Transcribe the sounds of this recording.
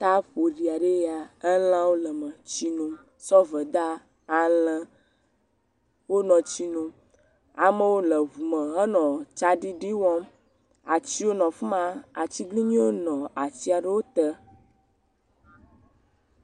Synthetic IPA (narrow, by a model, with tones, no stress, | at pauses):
t̪a˦ɸo˨ɖi˨a˨ɖe˦ja˨ə˦l̃ã˦wo˦lə˨mə̃˨t͡ɕi˦nũ˦ | sɔ˦və˨d̪a˦ | a˨lə̃˦ | wo˦nɔ̃˨t͡ɕi˦nũ˦ | a˨mə̃˦wo˦lə˨vu˨mə̃˨ə˦nɔ̃˨t͡ʃa˦ɖi˦ɖi˦wɔ˦m | a˨t͡ɕi˦wo˦nɔ̃˨fu˦mã˦a˨t͡ɕi˦ɡli˦ɲĩ˦wo˦nɔ̃˨a˨si˦a˨ɖə˦wo˦t̪ə˦